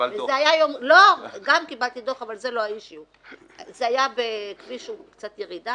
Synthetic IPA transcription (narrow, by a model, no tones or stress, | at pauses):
vezeajajomloɡamkibalt̪id̪o̞χavalze̞loajiʃiu | zeajabekviʃukt͡sat̪jeʁida